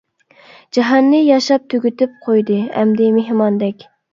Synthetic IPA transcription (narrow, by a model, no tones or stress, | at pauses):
d͡ʒɑɦɑnːɨjɑʃɑp̚t̪ʰøɡʲyt̪ɪp̚qʰojd̪ɨɛ̰md̪ɪmeɦmɑnd̪ɛkʲ